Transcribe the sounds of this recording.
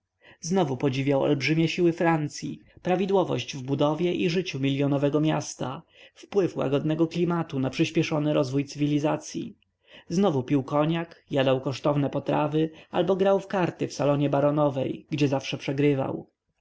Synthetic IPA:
znɔvupɔd͡ʑivʲjawɔ̰lbʐɘmʲɛɕiwɘfɾant̪sʲjḭpɾavʲid̪wɔvɔ̰ɕd͡ʑvbud̪ɔvʲjɛʔiʐɘt͡ɕumʲilʲjɔnɔvɛɡɔmʲjast̪a | fpwɘfwa̰ɡɔd̪nɛɡɔklʲimat̪unapʂɘɕpʲɛʂɔnɘɾɔzvujt̪sɘvʲilʲizat̪sʲjḭ | znɔvupʲiwkɔɲakjad̪awkɔʂt̪ɔvnɛpɔt̪ɾa̰vɘa̰lbɔɡɾawfkaɾt̪ɘfsalɔɲɛbaɾɔnɔvɛjɡd͡ʑɛzafʂɛpʂɛɡɾɘva̰w

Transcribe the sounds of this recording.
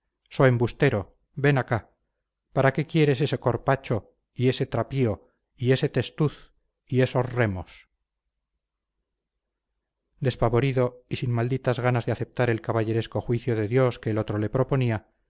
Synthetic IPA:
so̞embust̪e̞ɾo̞ | be̞naka | paɾake̞kje̞ɾe̞s̬e̞se̞ko̞ɾpat͡ʃo | ie̞se̞t̪ɾapio̞ | ie̞se̞t̪e̞st̪uθ | ie̞so̞sre̞mo̞s | d̪e̞spaβo̞ɾiðo̞isinmald̪it̪azɣanazðeaθe̞p̚t̪aɾe̞lkaβaʝe̞ɾe̞sko̞xwiθjo̞ðe̞ðjo̞skeːlo̞t̪ɾole̞pɾo̞po̞nia

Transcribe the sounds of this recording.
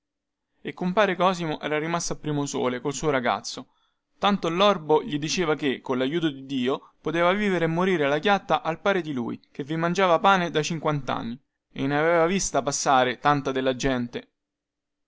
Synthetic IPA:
ekːompaːɾekɔːzimoʔɛ̰ːɾaɾimast̪oapːɾiːmoso̰ːlekolsuːoɾaɡa̰t̪sːo | t̪ant̪olːɔrboʎid̪it͡ʃeːvakekːonlajːuːt̪od̪id̪ːiːopot̪eːvaviːveɾemːoɾiːɾealakjat̪ːaʔalpaːɾed̪ilṵːjk̟evimand͡ʒaːvapaːned̪at͡ʃiŋkwant̪a̰nːi | ḛnːeaveeːvavist̪apasːaːɾet̪ant̪ad̪elːad͡ʒɛnt̪e

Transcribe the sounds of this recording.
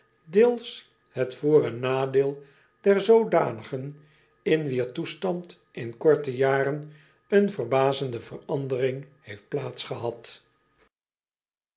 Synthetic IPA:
deːlˠs | hətfʊːrənaːdeːlˠ | d̥ɛɹzowdaːnəχən | ɪnʋiːɹtustɑnt | ʔɪnkɔɹtəjaːrən | ənvərbaːzəndəvərɑndərɪŋhejft̚plaːtsχəɦɑt

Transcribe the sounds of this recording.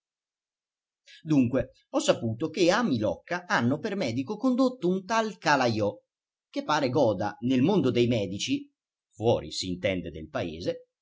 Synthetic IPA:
d̪uŋkwe | ɔsːapuːt̪ok̟eamilɔ̰kːaʔanːopermɛːd̪ikokond̪ot̪ːount̪alkalajɔ | k̟epːaːɾeɡɔːd̪anelmond̪od̪ejmɛːd̪it͡ʃi | fwɔːɾḭsiːnt̪ɛnd̪ed̪elpaḛːze

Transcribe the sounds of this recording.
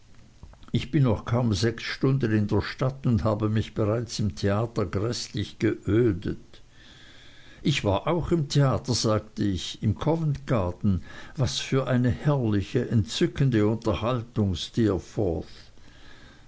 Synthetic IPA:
ɪçb̥ɪnːɔχkʰaʊmzɛksʃtʊndənɪndeːɐʃtatʊndhaːbəmɪçb̥eʁaɪt͡sɪmtʰeaːtɐɡʁɛslɪçɡ̥əʔøːdət | ʔɪçv̥aːɐʔaʊxɪmtʰeaːtɐz̥aːktəɪçɪmkʰɔvəntɡ̥aɐtn̩vasfyːɐʔaɪnəhɛɐlɪçəʔɛnt͡sʏkʰəndəʊntɐhaltʊŋstɪːɐfɔɐθ

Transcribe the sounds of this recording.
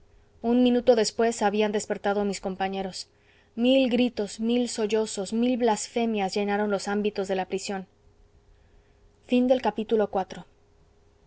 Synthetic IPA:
unmĩnut̪o̞ðe̞spwe̞saβiand̪e̞spe̞ɾt̪aðo̞misko̞mpaɲe̞ɾo̞s | milɡɾit̪o̞smilso̞ʝo̞so̞smilβlasfe̞mjazʝe̞naɾo̞nlo̞sambit̪ozðe̞lapɾisjo̞n | find̪e̞lkapit̪ulo̞kwat̪ɾo̞

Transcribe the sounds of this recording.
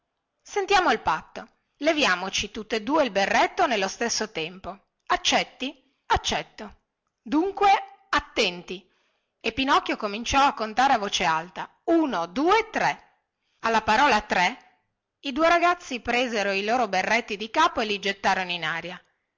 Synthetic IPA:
sent̪jaːmoilpat̪ːo | levjaːmot͡ʃit̪ut̪ːoed̪ːuːeilberːɛt̪ːonelːost̪esːot̪ɛmpo | at͡ʃːɛt̪ːi | at͡ʃːɛt̪ːo | d̪uŋkweat̪ːɛnt̪i | epːinɔkːjokomint͡ʃɔakːont̪aːɾeavoːt͡ʃealt̪a | uːnod̪uːet̪ɾɛ | alːapaɾɔːlat̪ɾɛ | id̪uːeɾaɡat̪sːipɾeːzeɾoiloːɾoberːɛt̪ːid̪ikaːpoelid͡ʒet̪ːaːɾonoinaːɾja

